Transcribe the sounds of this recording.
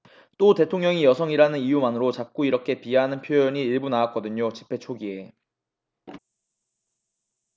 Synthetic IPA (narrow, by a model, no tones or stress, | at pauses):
t͈ote̞tʰoŋɲʌŋijʌsʰʌŋiɾanɯnijumanɯɾot͡ɕak̚k͈uiɾʌkʰe̞pieɦanɯnpʰjojʌɲiːɭbunaak͈ʌdɯɲot͡ɕi̥pʰe̞t͡ɕʰoɡie̞